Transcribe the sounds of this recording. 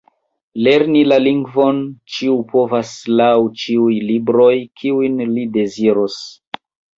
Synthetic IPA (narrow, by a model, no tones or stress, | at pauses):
le̞ɾnilaliŋɡvo̞nt͡ʃiupo̞vaslawt͡ʃiujlibɾo̞jkʰiujnlide̞ziɾos